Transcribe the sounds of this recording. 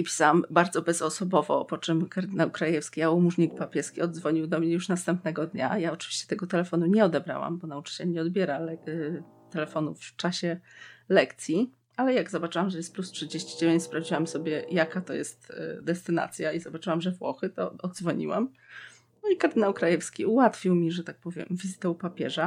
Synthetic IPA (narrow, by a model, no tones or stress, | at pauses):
ipʲi̥sawambaɾd̪zɔbɛzɔsɔbɔvɔ̰pɔt͡ʂɘmkaɾd̪ɘnawkɾajɛfskʲijaumuʐɲik̚papʲjɛskʲiɔd̪zvɔɲiwd̪ɔmɲɛjuʂnast̪ɛmpnɛɡɔd̪ɲa̰jaɔt͡ʂɨ̥viɕt͡ɕɛ̥t̪ɛɡɔt̪ɛlɛfɔnuɲɛɔd̪ɛbɾa̰wa̰mbɔnaut͡ʂɘ̥t͡ɕɛlɲɛɔd̪bʲjɛɾalɛ | t̪ɛlɛfɔnuft͡ʂaɕɛlɛkt̪sʲji | alɛjaɡzɔbat͡ʂɘwamʐɛjɛst̪̚plustʂɘd͡ʑeɕt͡ɕid͡ʑevʲjeɲt͡ɕspɾavd͡ʑiwamsɔbʲjɛjakat̪ɔjɛ̰st̪d̪ɛst̪ɘna̰t̪sʲjaizɔbat͡ʂɘwamʐɛvwɔ̰xɘt̪ɔ̰ɔd̪zvɔɲḭwa̰m | nɔikaɾd̪ɘnawkɾajɛfskʲiuwat̪fʲiwmʲiʐɛt̪ak̚pɔvʲjɛ̰mvʲizɘt̪ɛupapʲjɛʐa